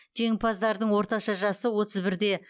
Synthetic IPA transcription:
ʒ̥e̞ŋpʰɑzd̪ɑɾd̪əɴwo̞ɾt̪ɑʃɑʒɑsəwo̞t̪ʰəzbɪɾd̪e̞

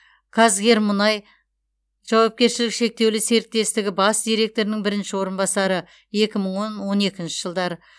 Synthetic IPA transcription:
kʰɑzɡʲe̞ɾmʊnɑj | ʒ̥ɑwɑp̚kʲe̞ɾʃɪlɪkʃe̞k̚t̪e̞wlɪse̞ɾɪt̪ːe̞st̪ɪɡʲɪbɑsd̪ʲijɾe̞k̚t̪o̞ɾɪnɪŋbɪɾɪnʃɪwo̞ɾənbɑsɑɾə | e̞kʲɪməɴwonwo̞ne̞kʲɪnʃɪʒ̥əlˠd̪ɑɾə

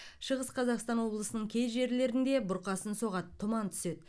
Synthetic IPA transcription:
ʃəʁəsqʰɑzɑqst̪ɑnwo̞blˠəsənəɴkʲʰe̞zʒe̞ɾle̞ɾɪnd̪e̞bʊɾqɑsənso̞ʁɑt̪ʰːʊmɑnt̪ʰʏ̥se̞d̪

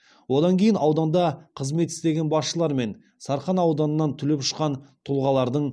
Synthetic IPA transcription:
wo̞d̪ɑŋkʲʰejɪnɑwd̪ɑnd̪ɑqʰəzme̞t̪ɪst̪e̞ɡʲe̞nbɑsʃəlˠɑɾme̞n | sɑɾχɑnɑwd̪ɑnənːɑnt̪ʰʏle̞pʃə̥qɑnt̪ʰʊlˠʁɑlˠɑɾd̪əɴ

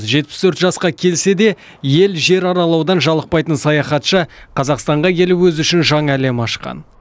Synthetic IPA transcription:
zʒe̞t̪̚pɪ̥st̪ʰɵɾt̪ʒɑsqɑkʲʰe̞lse̞d̪e̞ | je̞lʒe̞ɾɑɾɑlˠɑwd̪ɑnʒɑlˠəq̚pɑjt̪ənsɑjɑχɑt̪ʃəqʰɑzɑqst̪ɑɴʁɑkʲʰe̞lupwɵzʏʃɪnʒɑɴæle̞mɑʃqɑ̰n

